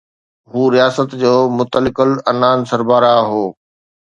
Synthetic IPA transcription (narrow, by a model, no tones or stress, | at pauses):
ɦuːɾijaːsət̪d͡ʑoːmʊt̪əlɪkəlɐnaːnsɐɾbaːɾaɦoː